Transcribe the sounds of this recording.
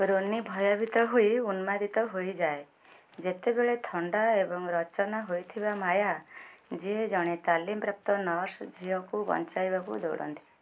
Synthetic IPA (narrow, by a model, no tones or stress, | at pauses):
ɾonibʱɔjabʱit̪ɔɦoiunmad̪it̪ɔɦojd͡ʒae | d͡ʒet̪ebeɭet̪ʰɔɳɖaebɔŋɾɔt͡ʃɔnaɦojt̪ʰibamajad͡ʒied͡ʒɔɽ̃et̪alimpɾap̚t̪ɔnɔɾsd͡ʒʱiɔkubɔ̰nt͡ʃajbakṵd̪o̰wɽɔ̰nt̪i̥